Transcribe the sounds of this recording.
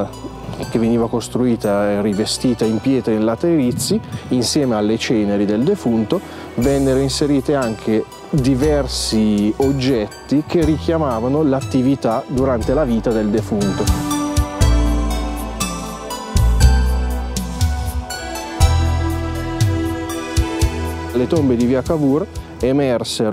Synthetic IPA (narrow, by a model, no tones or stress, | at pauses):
kevːeniːvakost̪ɾuiːt̪aerivest̪iːt̪aimpjɛːt̪ɾainlat̪eɾit̪siːnsjɛːmealːet͡ʃɛːneɾid̪eld̪efunt̪o | vɛnːeɾoinseɾiːt̪eaŋkʰe | d̪ivɛrsiod͡ʒːɛt̪ːik̟erik̟jamaːvanolat̪ːivit̪ad̪uɾant̪elaviːt̪ad̪eld̪efunt̪o | lːet̪ombed̪iviːakavur | emɛrseɾ